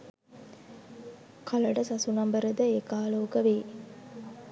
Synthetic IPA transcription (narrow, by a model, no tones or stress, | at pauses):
kʰɐlɐɖɐsɐsunɐmbəɾəd̪əekaːloːkəʋeː